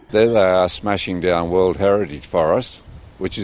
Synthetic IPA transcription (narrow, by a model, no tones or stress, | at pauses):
ðəðeɪəsmæʃɪ̃ŋdãʊ̃nwɜ˞lˠd̚ɦɛɹɨɾɨ̥ʒ̥fəɹʌswɨt͡ʃɨ